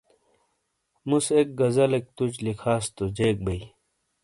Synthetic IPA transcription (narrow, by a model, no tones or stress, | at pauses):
musek̚ɡɐzɐlek̚t̪ut͡ɕlikʰaːst̪ud͡ʑeːk̚bɐi